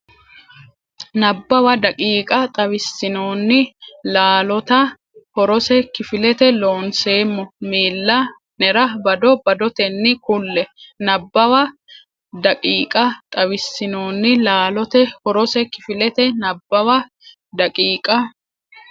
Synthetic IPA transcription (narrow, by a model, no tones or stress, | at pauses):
nɐbːɐwɐd̪ɐkʼiːkʼɐt̪ʼɐwɪsːɪnoːnːɪlaːlɔt̪ɐ | hɔɾɔsɛkɪfɪlɛt̪ɛlo̞ːnse̞ːmːɔmiːlːɐ | nɛɾɐbɐd̪ɔbɐd̪ɔt̪ɛnːɪkʊlːɛnɐbːɐwɐ | d̪ɐkʼiːkʼɐt̪ʼɐβɪsːɪnoːnːɪlaːlɔt̪ɛhɔɾɔsɛkɪfɪlɛt̪ɛnɐbːɐwɐ | d̪ɐkʼiːkʼɐ